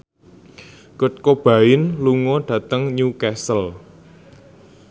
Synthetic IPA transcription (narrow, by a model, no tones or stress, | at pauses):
kʊt̪̚kob̥ä̤ɪnluŋɔɖ̥ä̤t̪əŋɲukɛsəl